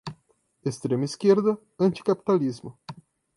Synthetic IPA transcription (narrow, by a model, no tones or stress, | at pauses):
est̪ɾemɐiskeɾd̪ɐ | ɐ̃nt͡ʃ̪i̥kapi̥t̪alizmʊ